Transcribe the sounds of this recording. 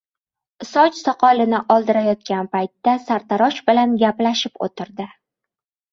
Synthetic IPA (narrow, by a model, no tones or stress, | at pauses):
ɪsɒt͡ʃsɒqʰɒlɪnɪʔɒlˠd̪ɪɾajɒt̪̚kʲanpajt̪ːasaɾt̪ʰaɾɒʃbɪlanɡʲaplaʃɪpo̰t̪ʰɪɾd̪ɪ